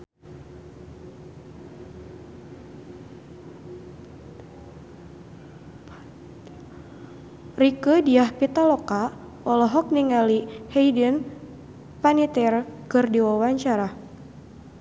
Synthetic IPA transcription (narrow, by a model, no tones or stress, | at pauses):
rikədiahpit̪alɔka | ɔlɔɦɔk̚niŋalihɛjdən | panit̪ɛrkɨrdiwawaɲt͡ʃaɾa